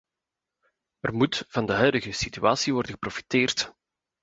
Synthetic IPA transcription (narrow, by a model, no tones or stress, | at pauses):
ərmutv̥ɑndəɦœɥdəɣəsityaːsiʋɔrdəɣəprofi̥teːrt